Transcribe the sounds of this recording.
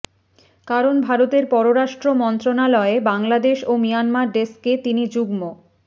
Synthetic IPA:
kaɾonbʱaɾot̪eɾpɔɾoɾaʃʈɾomɔnt̪ɾonalɔebaŋlad̪eʃomijanmaɾɖesket̪inid͡ʑuɡmo

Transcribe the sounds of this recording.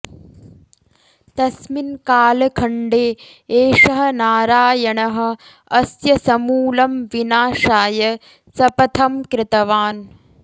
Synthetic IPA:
t̪ɐsminkaːlɐkʰɐɳɖeː | eːʂɐɦɐ̆naːɾaːjɐɳɐɦɐ̆ | ɐsjɐsɐmuːlɐmʋinaːʃaːjɐ | sɐpɐt̪ʰɐmkɾɪt̪ɐʋaːn

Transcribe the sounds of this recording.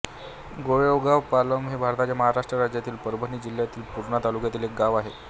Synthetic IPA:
ɡoɭeoʋɡaʋpaləmɦebʱaɾt̪at͡ɕjaməɦaɾaʂʈɾəɾad͡ʑjat̪iːlpəɾbʱəniːd͡ʑil̤jat̪iːlpuɾɳat̪alukjat̪iːlek̚ɡaʋaɦe

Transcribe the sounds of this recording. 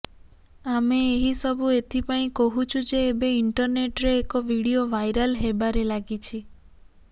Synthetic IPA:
ameːɦisɔbʱuet̪ʰipaĩkɔɦut͡ʃʰud͡ʒeːbeiɳʈɔɾneʈɾeːkɔʋiɽioʋajɾalɦebaɾelaɡit͡ʃʰi

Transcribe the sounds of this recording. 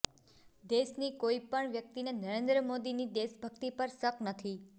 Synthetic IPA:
d̪eʃnikoipəɳʋjək̚t̪inenəɾẽnd̪ɾəmod̪inid̪eʃbʱəkt̪ipəɾsəknət̪ʰi

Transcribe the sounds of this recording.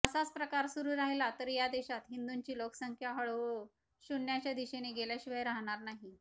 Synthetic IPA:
əsat͡spɾəkaɾsuɾuːɾaɦilat̪əɾjad̪eɕat̪ɦind̪uɲt͡ɕiːloksəŋkʰjaɦəɭ | ɕunːjat͡ɕjad̪iɕeneɡeljaɕiʋəjɾaɦɳ̃aɾnaɦi

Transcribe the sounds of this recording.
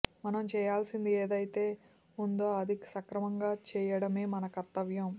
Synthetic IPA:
mɐnɐmt͡ʃɛːjaːlsind̪ieːd̪ɐjit̪e̞ː | und̪oːɐd̪ʱiksɐkɾɐmɐŋɡaːt͡ʃɛːjɐɽɐmeːmɐnɐkɐɾt̪ːɐʋjɐm

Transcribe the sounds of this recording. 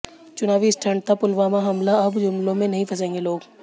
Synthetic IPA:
t͡ʃʊnaːʋisʈʰə̃ɳɖt̪apʊlʋaːmaɦɐmlaɐbd͡ʒʊmlõmẽnɐɦĩpʰɐs̬ẽːŋɡeloːɡ

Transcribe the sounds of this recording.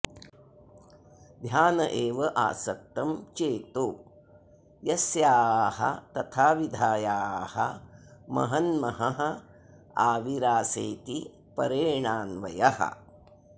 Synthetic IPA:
d̪ʱjaːnɐʔeːʋɐʔa̰ːsɐk̚t̪ɐmt͡ʃeːt̪oː | jɐsjaːɦɐ̰t̪ɐt̪ʰaːʋid̪ʱaːjaːhɐ̰mɐ̰ɦɐnmɐɦɐɦɐ̆ | aːʋiɾaːseːt̪i | pɐɾeːɳaːnʋɐjɐhɐ̰

